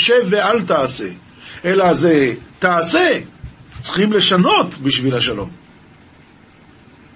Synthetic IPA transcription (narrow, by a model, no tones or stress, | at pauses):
ʃevealt̪aːse̞̰ | ʔelazet̪aːse̞ | t͡sχimle̞ʃano̞t̪biʃvilhaʃalo̞̰m